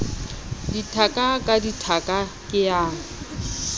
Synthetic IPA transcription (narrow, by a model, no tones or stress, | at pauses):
ditʰakʼakʼaditʰakʼa | kʼɪjaːŋ̩